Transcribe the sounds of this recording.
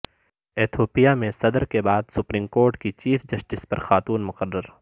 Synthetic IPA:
eːt̪ʰoːpijamẽsɐd̪əɾkebaːd̪sʊpɾiːmkoːɾʈkit͡ʃiːfʰd͡ʒɐsʈɪspɐɾxaːt̪uːnmʊqərːəɾ

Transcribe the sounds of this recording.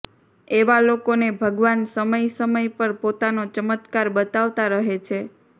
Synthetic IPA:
eʋalokonebʱəɡʋansəməjsəməjpəɾpot̪anot͡ʃəmət̪kaɾbət̪aʋt̪aɾəɦet͡ʃʰe

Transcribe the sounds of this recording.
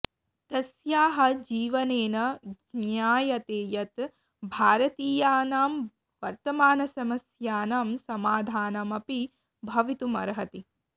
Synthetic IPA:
t̪ɐsjaːɦɐ̆d͡ʒiːʋɐneːnɐ | njaːjɐt̪eːjɐt̪ | bʱaːɾɐt̪iːjaːnaːm | ʋɐɾt̪ɐmaːnɐsɐmɐsjaːnamsɐmaːd̪ʱaːnɐmɐpi | bʱɐʋit̪umɐ̰ɾɐɦɐt̪i

